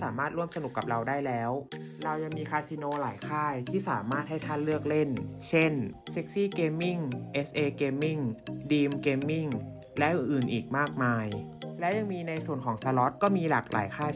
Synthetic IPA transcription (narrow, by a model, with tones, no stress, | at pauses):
saː˩˦maː˥˩t̪̚ɾu˥˩əmsa˧nu˨˩kːa˨˩p̚ɾa˧wdaː˥˩jlɛː˦˥wɾa˧wja˧ŋmiː˧kʰaː˧jsi˧noː˧laː˨˩˦jkʰaː˥˩jt̪ʰiː˥˩saː˩˦maː˥˩t̪̚ha˥˩jt̪ʰaː˥˩nlɯ˥˩ək̚le˥˩nt͡ɕʰe˥˩nse˦˥k̚siː˥˩keː˧mːi˥˩ŋʔe˦˥sʔeː˧keː˧mːi˥˩ŋdiː˧mkeː˧mːi˥˩ŋ | lɛ˦˥ʔɯ˨˩nʔɯː˨˩nʔiː˨˩k̚maː˥˩k̚maː˧jlɛ˦˥wja˧ŋmiː˧na˧jsu˨˩ənkʰɔː˩˦ŋsa˧lɔ˦˥t̪̚kɔː˥˩miː˧laː˨˩k̚lʔa̰ː˩˦jkʰaː˥˩